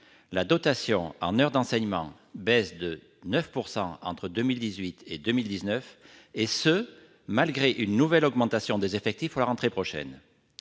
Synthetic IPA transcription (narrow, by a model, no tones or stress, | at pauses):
lad̪ɔt̪asjɔ̃ɑ̰̃nœʁd̪ɑ̃sɛɲmɑ̰̃ | bɛsd̪ə | nœfpuʁsɑ̃ɑ̰̃t̪χəd̪əmild̪izɥit̪ed̪ømild̪iznœfesə | malɡʁeʔynːuvɛlɔɡmɑ̃t̪asjɔ̃d̪ezefɛk̚t̪ifpuʁlaʁɑ̃t̪χepχɔʃɛ̰n